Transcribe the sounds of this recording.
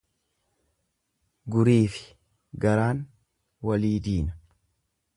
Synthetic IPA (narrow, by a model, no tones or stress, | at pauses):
ɡʊɾiːfɪ̥ | ɡɐɾaːn | wɐliːd̪iːnɐ̥